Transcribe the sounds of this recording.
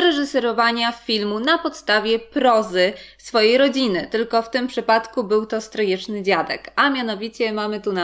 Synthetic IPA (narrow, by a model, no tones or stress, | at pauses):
ɾɛʐɘsɛɾɔvaɲafʲilmunapɔt̪st̪avʲjɛpɾɔzɘ | sfɔjejɾɔd͡ʑinɘt̪ɘlkɔft̪ɘmpʂɘpat̪kubɘwt̪ɔst̪ɾɔjɛt͡ʂnɘd͡ʑad̪ɛ̰kamʲjanɔvʲit͡ɕɛmamɘt̪una